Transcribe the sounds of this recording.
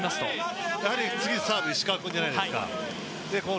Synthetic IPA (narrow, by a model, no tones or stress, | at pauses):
mast̪ojahaɾʲit͡sɨɡʲisaːbʲisɕi̥kakɯ̃ɲd͡ʑanaijd̪eɨ̥ka̰ | d̪e̞ko